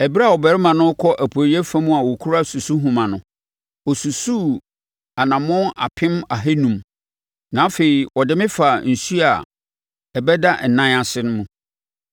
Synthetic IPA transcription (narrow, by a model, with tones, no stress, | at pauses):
ɛ˨bi˦ɾa˦˨ɔ˨bɛ˨ɾɪ˦mã˨nʊ̃˦kʰɔ˦ʔæ˨pʰːi˦ɛ˦fã˦mũ˦a˨wɔ˨kʰu˦ɾa˦su˨su˦ɦũ˨mã˨nʊ̃˨ | ɔ˨su˨su˦ | a˨nã˨mʊ̃˦na̰˨pʰɪ̃˦ma˨ɦe˦nũ˨m | nã˨˦fe˨i˨ɔ˨dɪ˦mɪ̃˦fa˨n̩˨su˦a˨ | ɛ˨bɛ˦da˦n̩˨nã˦a˨sɪ˦nʊ̃˦mũ˨